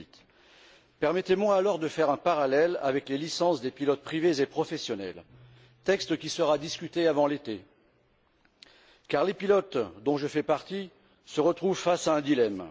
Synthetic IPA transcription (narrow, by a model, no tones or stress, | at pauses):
t̪ | pɛʁmɛt̪emwaːlɔʁd̪əfɛʁɛ̃paʁalɛla̰vɛklelisɑ̃sd̪epilɔt̪̚pχivezepχɔfɛsjɔnɛ̰l | t̪ɛkst̪kʲisəʁad̪iskʲyt̪eavɑ̃let̪e | kaʁlepilɔt̪d̪ɔ̃ʒəfɛpaʁt̪i | səʁət̪χuvfasaɛ̃d̪ilɛm